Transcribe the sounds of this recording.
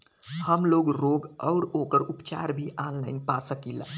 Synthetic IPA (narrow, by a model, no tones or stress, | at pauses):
həmloɡɾoɡəʊɾokəɾupt͡ʃa̰ɾbʱiʔanlaɪnpasəkila̰